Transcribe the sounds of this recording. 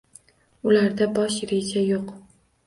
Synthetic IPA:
ʊlaɾd̪abɒʃɾed͡ʒajoq

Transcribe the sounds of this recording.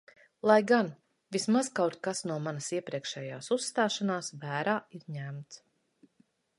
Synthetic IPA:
lˠajɡan | vismaz̥kawɾt̪̚kasnuɔmanasiɛpɾiɛkʃɛːjaːsusːt̪aːʃanaːsvæːɾaːiɾɲæmt̪s

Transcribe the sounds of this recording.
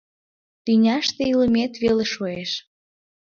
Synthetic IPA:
t̪ynʲɑʃt̪eiləmet̪βeleʃoeʃ

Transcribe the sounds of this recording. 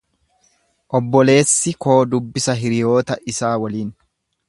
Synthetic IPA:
ʔɔbːɔle̞ːsːɪko̞ːd̪ʊbːɪsɐɦɪɾɪjo̞ːt̪ɐʔɪsaːwɐliːn

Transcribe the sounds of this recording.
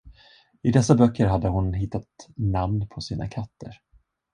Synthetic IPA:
ɪd̪ɛsːabœkʰːəɾɦad̪ːəɦʊnɦɪt̪ːat̪namnpʰɔsiːna̰kʰat̪ʰːə̰ɾ

